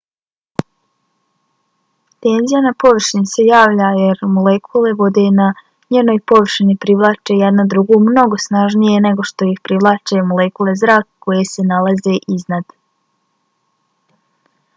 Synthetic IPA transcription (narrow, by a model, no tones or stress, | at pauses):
t̪e̞ːnzijanapo̞ʋr̩ʃinise̞jaːʋʎaje̞ɾmolekʰule̞ʋo̞d̪e̞na | ɲeːno̞jpo̞ʋr̩ʃinipɾiʋlˠaːt͡ʃejed̪nad̪ɾuɡumno̞ɡo̞snaʒnije̞ne̞ɡo̞ʃt̪o̞ixpɾiʋlˠaːt͡ʃemolekulˠe̞zɾaːkːo̞jese̞nalˠaze̞ʔiznad̪